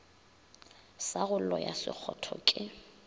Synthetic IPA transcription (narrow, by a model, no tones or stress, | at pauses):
saɣʊl̩lɔjasɪk͡xʰɔtʰɔkʼɪ